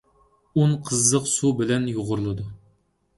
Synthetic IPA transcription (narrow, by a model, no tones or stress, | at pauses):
unqʰəzːəqsubɪlɛnjoʁʊɾlˠɨd̪u